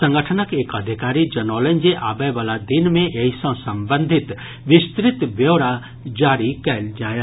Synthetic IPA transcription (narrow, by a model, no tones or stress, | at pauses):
sɐ̃ŋɡəʈʰənəkeːkɐd̪ʱikaːɾid͡ʒɐnɔːlənd͡ʒeʔaːbəʋalad̪inmẽʔeisə̃sɐmbə̃nd̪ʱɪt̪ | ʋɪst̪ɾɪt̪bjewɾa | d͡ʒaːɾikɛld͡ʒaːjə